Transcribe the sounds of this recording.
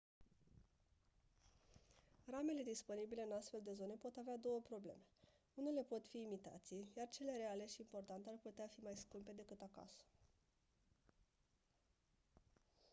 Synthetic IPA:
rame̞le̞d̪ispo̞nibile̞ɨnast̪fe̞ld̪e̞zo̞ne̞po̞t̪avead̪o̞wəpɾo̞ble̞̰me̞ | une̞le̞po̞t̪fiːmit̪a̰t̪sijart͡ʃe̞le̞ɾe̞ale̞ʃiːmpo̞rt̪ant̪earput̪eafimajskumpe̞d̪e̞kɨt̪aka̰sə̥

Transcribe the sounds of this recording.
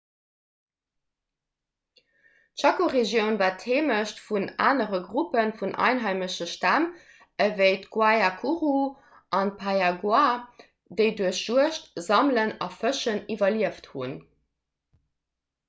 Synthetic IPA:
tʃɑkoʁeʒjəʊnvaːtʰheːməʃtfuna̰ːnəʁəɡʁupənfunʔɑ̰ɪnɦɑɪməɕəʃtam | əvəɪtɡ̥wajakʰuʁu | ʔɑnpʰajaɡwa | dəɪduəɕʒ̥uəʃtz̥ɑmlənɑfəʃənivɐliəfthṵn

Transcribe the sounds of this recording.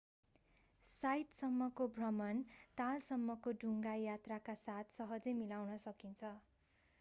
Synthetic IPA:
sajt̪sʌmːʌkobʱrʌmʌnt̪alsʌmːʌkoɖʱuŋɡajat̪rakasat̪ʰsʌɦʌd͡zemilawnʌsʌkint͡sʰʌ

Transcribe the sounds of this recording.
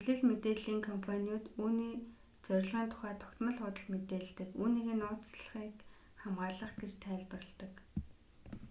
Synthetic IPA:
xuɮɘ̆ɮmet̪eːɮiːŋkʰɔmpʰaniʊːt̪uːniː | t͡sœɾ̆ʲɮʁə̆ːnt̪ʰʊ̥χæːt̪ʰɔ̥kt̪mə̆ɮχʊt̪ə̆ɮmet̪eːɮt̪ɘ̆kuːniːɣĕːnʊːt͡sɮə̆χiːk | χamʁaːɮə̆χɡet͡ɕt̪ʰæːɮpə̆r̆ɮt̪ɞ̆k

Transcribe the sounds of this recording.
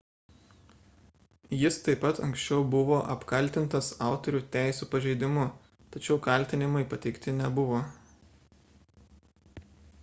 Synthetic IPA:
jɪst̪ɐɪpːɐt̪ɐ̰̃ŋksʲt͡ʃʲɛʊbʊʋoːʔɐpkɐlʲˑt̪ʲɪnt̪ɐsɑˑʊt̪ɔɾʲuːt̪ʲæˑɪsʲuːpɐʒʲɛɪd̪ʲɪmʊ | t̪ɐt͡ʃʲɛʊkɐlʲˑt̪ʲɪnʲɪmɐɪpɐt̪ʲɛɪkt̪ʲɪnʲɛbʊʋoː

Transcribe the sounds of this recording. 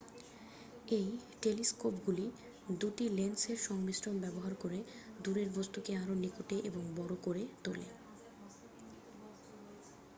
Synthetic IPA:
ejʈeliskopɡuli | d̪uʈilenseɾʃɔŋbisɾombɛboɦaɾkoɾed̪uɾeɾbost̪ukeaɾonikoʈeʔeboŋbɔɾokoɾet̪olḛ

